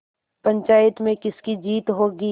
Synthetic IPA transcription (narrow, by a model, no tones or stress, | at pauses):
pɐ̃ɲt͡ʃaːjɪt̪mẽkɪskid͡ʒiːt̪ɦoːɡi